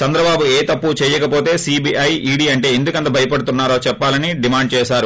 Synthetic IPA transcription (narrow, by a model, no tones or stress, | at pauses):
t͡ʃɐnd̪ɾɐbaːbueːt̪ɐpːut͡ʃɛːjɐkɐpo̞ːt̪e̞ːsiːbiːʔɐjiːɽiːɐɳʈe̞ːend̪ukɐnt̪ɐbʱɐjɐpɐɽut̪unːaːɾoːt͡ʃɛpːaːlɐniɖimaːɳɖ̚t͡ʃɛːʃaːɾu